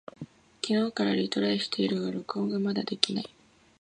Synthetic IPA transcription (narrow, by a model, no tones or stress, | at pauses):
kʲino̞ːkaɾaɾʲit̪o̞ɾaiɕi̥t̪ʰe̞iɾɯ̟ɡaɾokoːɡamad̪a̰d̪e̞kʲinai